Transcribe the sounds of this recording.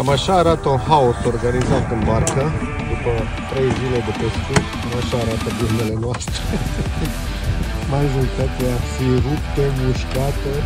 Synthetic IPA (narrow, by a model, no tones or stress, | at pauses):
amaʃaːɾat̪əunhaoso̞rɡanizat̪ɨnbarkə | d̪upə | t̪ɾe̞jzile̞d̪epest̪u | amaʃaːɾat̪əd̪imele̞noast̪ɾe | maʒoɾit̪at̪eafirupt̪emuʃkat̪e